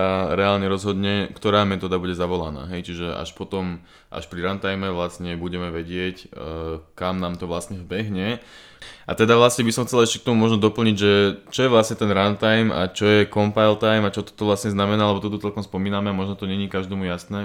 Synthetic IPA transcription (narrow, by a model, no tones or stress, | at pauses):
aɾɛaːlɲɛɾɔzɦɔd̪ɲɛkt̪ɔɾaːmɛt̪ɔːd̪abuɟɛzaʋɔla̰na̰ːɦɛjt͡ʃiʒɛa̰ʃpɔt̪ɔm | ʔa̰ʃpɾiɾant̪ajmɛʋlastɲɛbuɟɛmɛʋɛɟɪɛc | kamnaːmt̪ɔʋlasɲɛvbɛɦɲɛ | ʔa̰t̪ɛd̪aʋlasɲɛbisɔmxt͡sɛlɛʃcɛk̚t̪ɔmumɔʒnɔd̪ɔpl̩ɲiɟʒɛt͡ʃɔjɛʋlasɲɛt̪ɛnɾant̪ajma̰t͡ʃɔjɛkɔmpajlt̪ajmat͡ʃɔt̪ɔ̥t̪ɔʋlasɲɛznamɛnaːalɛbɔt̪ɔt̪ɔt͡sɛlkɔmspɔmiːnamɛamɔʒnɔt̪ɔɲɛɲiːkaʒd̪ɛmujasnɛː